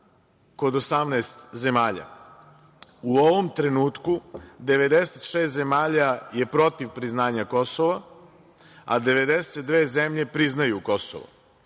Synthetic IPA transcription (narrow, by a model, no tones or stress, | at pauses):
ko̞d̪osamnaest̪ze̞maːʎa̰ | uoʋomt̪ɾe̞nuːt̪kud̪e̞ʋe̞d̪eset̪ʃeːst̪ze̞maːʎaje̞pɾo̞t̪iʋpɾiznaːɲako̞soʋa | a̰d̪e̞ʋe̞d̪eset̪̚d̪ʋeːzemʎe̞pɾiznajuko̞so̰ʋo̰